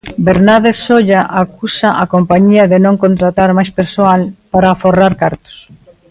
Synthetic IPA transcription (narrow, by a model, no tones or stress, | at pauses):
beɾnaðesoʎaʔakusaʔakompaɲiɐðɪnõŋkont̪ɾat̪aɾmajspeɾsoalpaɾaːforaɾkaɾt̪ʊ̥s